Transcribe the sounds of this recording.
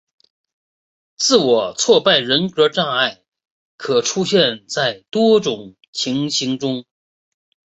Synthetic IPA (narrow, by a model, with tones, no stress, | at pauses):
t͡sɹ̩˥˩wɔ˨˩t͡sʰwɔ˥˧pa˥˩ɪɻə˧˥nkɤ˧˥ʈ͡ʂa˥˧ŋa˥˩ɪ | kʰɤ˨˩ʈ͡ʂʰu˥ɕjɛ˥˧nt͡sa˥˩ɪt̪wɔ˥ʈ͡ʂʊ˨˩ŋ | t͡ɕʰi˧˥ŋɕi˧˥ŋʈ͡ʂʊ˥ŋ